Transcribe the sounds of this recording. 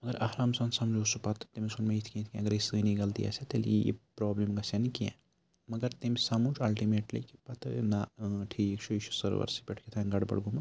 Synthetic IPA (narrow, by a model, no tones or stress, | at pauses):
mɐɡɐɾɐhɾaːmsɐnsɐmd͡ʒusupɐt̪ʰt̪emisunmeit̪ʰkʲĩt̪ʰikʲĩɐɡɐɾisɨːniɡɐlt̪ḭja̰set̪eljijḭpɾoːblemɡɐsɐnikiɛ̰̃ | mɐɡɐɾt̪emisɐmud͡ʒɐlʈimeːʈlḭki̥pɐt̪ʰɨnaʈʰiːkt͡ʃʰuiʃʰu̥sɐɾʋɐ̰ɾsi̥peʈʰket̪ʰanɡɐɽbɐ̰ɽɡumɐ